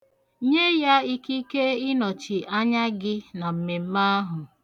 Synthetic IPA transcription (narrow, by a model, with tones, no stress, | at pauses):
ɲe˦ja˦i˦ki˦ke˦ɪ˦nɔ˨t͡ʃɪ˨ʔa˦ɲa˦ɡɪ˦na˨m̩˨me˨m̩˦ma˦ɦʊ˨